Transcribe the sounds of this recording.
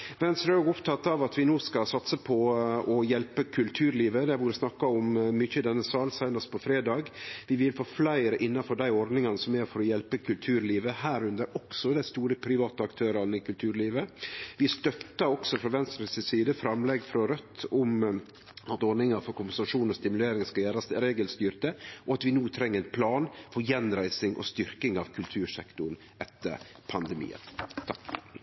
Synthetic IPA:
ʋɛnst̪ɾøɡʊpt̪ʰɑt̪ːɑʋɑt̪ʋɪnoːskɑsɑt̪səpʰɔɔjɛlpəkʰʉlt̪ʰʉːɾliːʋəd̪ɛbuːɾəsnɑkːɑɔmmʏçəɪd̪ɛnːəsɑːlsæɪnɑst̪̚pʰɔfɾeːd̪ɑːɡʋɪʋɪlfoːflæɪɾəʔɪnːɑfɔd̪æɪɔɾd̪nɪŋɑnəsɔmæɾfɔɾɔjɛlpəkʰʉlt̪ʰʉːɾliːʋəhæːɾʉnd̪əɾɔksɔd̪æɪst̪uːɾəpʰɾɪʋɑːt̪əɑkt̪ʰøːɾɑɾnəkʉlt̪ʰʉːɾliːʋəʋɪst̪œt̪ːɑɔksɔfɾɑʋɛnst̪ɾəsəsiːd̪əfɾɑmlɛɡfɾɑɾœt̪ːɔm | ɑt̪ɔɖ̪nɪŋɑɾfɔɾkʊmpɛnsɑʂuːnɔst̪ɪmʉleːɾɪŋskɑjæːɾɑsɾeːɡəlst̪yːɾt̪əʔɔɑt̪ʋɪnuːt̪ʰɾɛŋːəɾɛnpʰlɑːnfɔɾjɛnɾæɪsɪŋʔɔ̰st̪ʏɾkɪŋɑʋkʰʉlt̪ʰʉːɾʂɛkt̪ʊɾn̩ | ʔɛt̪ːə̰ɾ | pʰɑnd̪ɛmḭːə̰nt̪ʰɑk

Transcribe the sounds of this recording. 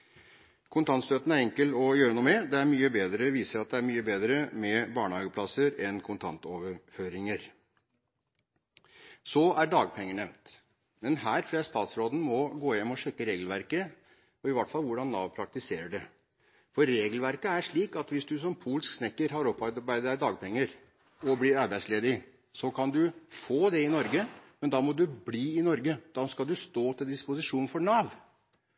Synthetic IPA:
kʰʊnt̪ʰɑnt̪st̪øːt̪ən̩æɾɛŋkəlɔjøːɾənuːəmɛd̪ɛæɾmyːəbeːd̪ɾəʋiːsəɾɑt̪̚d̪ɛæɾmyːəbeːd̪ɾəmɛbɑːɳəhɑːɡəpʰlɑsəɾɛnkʰʊnt̪ʰɑnt̪ɔʋəɾføːɾɪŋəɾ | sɔæɖɑːɡpʰɛŋːəɳɛʋnt̪ | mɛnhæːɾfleːst̪ɑːt̪sɾoːd̪n̩mɔɡoːjɛmːɔʂɛkːəɾeːɡlʋæɾkə | ɔɪʋɑʈːfɑlːʋʊɖɑnːɑ̰ːʋpʰɾɑk̚t̪ɪseːɾəɖɛ | fɔɾːeːɡəlʋæɾkəæʂɭiːkɑt̪ʋɪsd̪ʉs̬ɔmpʰuːlsksnɛkːəɾɦɑɾɔpːɑbæɪd̪əəɖɑːɡpʰɛŋːəɾ | ɔblɪɾɑɾbæɪsleːd̪ɪ | sɔkʰɑnd̪ʉfoːd̪ɛɪnɔɾɡəmɛnd̪ɑmɔd̪ʉbliːɪnɔɾɡəd̪̥ɑskɑld̪ʉst̪oːt̪ʰɪld̪ɪspʊsɪʂuːnfɔɳɑːʋ

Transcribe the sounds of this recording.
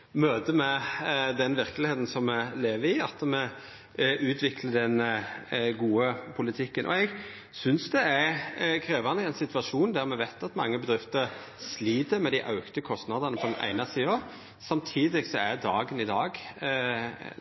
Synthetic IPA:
møːd̪əmɛd̪ɛnʋɪɾklɪheːt̪n̩sɔmːɛleːʋəɾɪɑt̪ːəmɛ | ʔʉːt̪ʰʋɪkʰləɖ̪ɛn | ɡuːəpʰʊlɪt̪ʰɪkːənʔɔ̰ɛɡ | sʏnsd̪ɛæɾkʰɾeːʋɑnəɛɪnsɪt̪ʋɑʂuːnd̪æɾmɛʋæɪt̪ɑt̪mɑ̰ŋːəbəd̪ɾɪft̪əɾ | sliːd̪əɾmɛd̪æɪʔɑ̰ʉkt̪əkʰɔst̪nɑd̪ənəpʰɔd̪ɛnʔæ̰ɪnɑsiːɑ | sɑmt̪ʰiːd̪ɪɡsɔæɾd̪ɑːɡənɪd̪ɑːɡ

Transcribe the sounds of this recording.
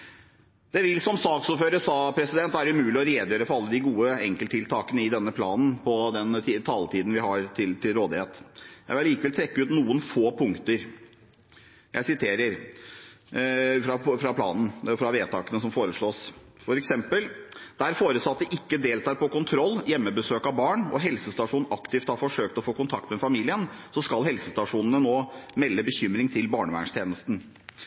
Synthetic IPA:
d̪̥ɛʋɪlsɔmsɑːksuːɾføːɾəsɑːpʰɾɛsɪd̪ɛnt̪ʋæːɾəʉmʉːlɪɔɾeːd̪jøːɾəfɔɾɑlːəd̪ɪɡuːəɛŋkəlt̪ʰːɪlt̪ʰɑːkənəɪd̪ɛnːəpʰlɑ̰ːnn̩pʰɔd̪ɛnt̪it̪ʰɑːlt̪ʰiːd̪n̩ʋɪhɑɾt̪ʰɪlt̪ʰɪlɾoːd̪ɪheːt̪jæɪʋɪllːiːkəʋɛlt̪ʰɾɛkːəʉːt̪nuːənfoːpʰʊŋkt̪əɾ | jæ̰ɪsɪt̪ʰeːɾəɾ | fɾɑfɾɑpʰlɑ̰ːnn̩fɾɑʋeːt̪ʰɑːkənəsɔmfoːɾəʂɭoːsfɔɾɛksɛmpəld̪æɾfoːɾəsɑt̪ːəʔɪkːəd̪eːlt̪ʰɑːɾpɔkʊnt̪ʰɾɔlːjɛmːəbəsøːkɑʋbɑːɳɔ̰ɦɛlsəst̪ɑʂuːnʔɑkt̪ɪft̪hɑːɾfɔʂøːk̚t̪ɔfoːkʊnt̪ʰɑkt̪mɛfɑmiːlɪənsɔskɑlɦɛlsəst̪ɑʂuːnn̩ənoːmɛlːəbəçʏmɾɪŋt̪ʰɪlbɑːɳəʋæ̰ɳʂt̪ʰjeːnəst̪n̩

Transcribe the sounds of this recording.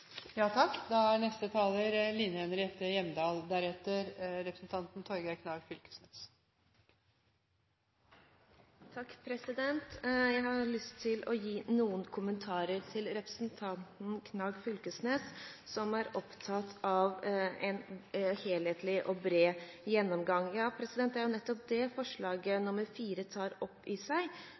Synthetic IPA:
jɑːt̪ʰɑkːd̪ɑænɛst̪ət̪ʰɑːləɾliːnəɛnɾɛt̪ːəjɛmːəd̪ɑːld̪æɾɛt̪ːəɾɾɛpɾəsn̩t̪ʰɑnt̪n̩t̪ʰɔɾɡəkʰnɑːɡfʏlkə̥sneːs | t̪ʰɑkːpʰɾɛsɪd̪ɛnt̪jæɪhɑɭʏst̪ʰːɪlʔɔjiːnuːənkʰʊmənt̪ʰɑːɾəɾt̪ʰɪlɾɛpɾəsnt̪ʰɑnt̪n̩kʰnɑːɡfʏlkəsneːssɔmæɾɔpt̪ʰɑt̪ɑʋɛnheːlheːt̪ʰlɪʔɔbɾeːjɛnːɔmɡɑŋːjɑːpʰɾɛsɪd̪ɛnt̪d̪æɾjʊnɛt̪ːɔp̚d̪ɛfɔʂɭɑːɡənʊməɾfiːɾət̪ʰɑːɾɔpːɪsæɪ

